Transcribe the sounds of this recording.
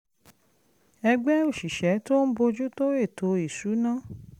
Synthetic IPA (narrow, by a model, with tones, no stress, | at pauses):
ɛ˧ɡ͡bɛ˦o˦˨ʃi˨ʃɛ˨˦to˦n̩˦bo˧d͡ʒu˦to˦e˦˨tʰo˨˧˦i˨su˨˦nã˦˨